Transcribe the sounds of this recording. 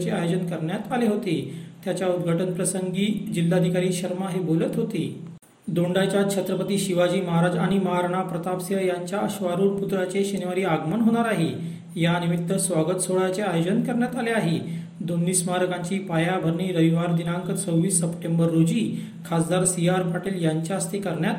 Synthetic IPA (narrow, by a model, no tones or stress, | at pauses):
t͡ɕeajod͡ʑənkəɾɳjat̪aleɦot̪et̪jat͡ɕjaud̪ɡʱaʈənpɾəsəŋɡiːd͡ʑilːad̪ʱikaɾiːɕəɾmaɦebolət̪ɦot̪e | d̪oɳɖat͡ɕjakt͡ɕʰət̪ɾəpət̪iːɕiʋad͡ʑiːməɦaɾad͡ʑaɽ̃iməɦaɾɳ̃apɾət̪apsjəjaɲt͡ɕjaəɕʋaɾuːɾput̪ɾat͡ɕeɕiniʋaɾiːaɡmənɦoɽ̃aɾaɦe | janimit̪ːəsʋaɡət̪soɭat͡seajod͡ʑənkəɾɳjat̪aleaɦe | d̪onːiːsmaɦaɾəkãɲt͡ɕiːpajabʱəɾɳiːɾəʋiʋaɾd̪inaŋkət͡səwʋiːsːəpʈembəɾːod͡ʑiː | kʰasd̪aɾsiaɾpaʈiljaɲt͡ɕjaəst̪ʰikəɾɳjat̪